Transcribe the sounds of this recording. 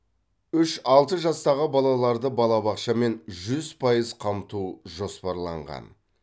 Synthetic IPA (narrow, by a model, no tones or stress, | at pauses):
ʏʃɑlˠt̪əʒɑst̪ɑʁəbɑlˠɑlˠɑɾd̪əbɑlˠɑbɑqʃɑme̞nʒʏz̥pʰɑjəzqʰɑmt̪uʒo̞spɑɾlˠɑ̰ɴʁɑ̰n